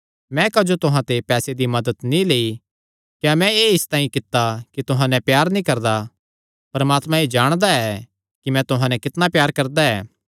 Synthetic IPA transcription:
mɛ̃kɐd͡ʒot̪ʊɦãt̪epɛːsed̪imɐd̪ət̪nĩleːi | kjãmɛ̃eːɪst̪aːĩkɪt̪ːakit̪ʊɦãnɛpjaːɾnĩkɐɾd̪a | pɐɾmaːt̪mãed͡ʒaːɽ̃d̪aɛ | kimɛ̃t̪ʊɦãnɛ̃kɪt̪napjaːɾkɐɾd̪aɛ̰ː

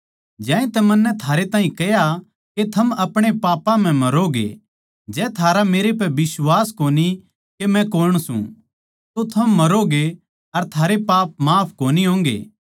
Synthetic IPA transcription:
d͡ʒɛ̃ːĩt̪ɛmɐnːɛt̪ʰaːɾet̪ãːɦĩkɐɦja | ket̪ʰɐmɐpɽ̃epaːpãm̤ɛ̃mɐɾoɡḛ | d͡ʒɛːt̪ʰaːɾameːɾep̬ɛbɪswaːskoːni | kemɛ̃koːɾəɽ̃sṵ̃ | t̪ot̪ʰɐmːɐɾoɡe | ɐɾt̪ʰaːɾepaːp̚maːpʰkoːniɦõːŋɡḛː

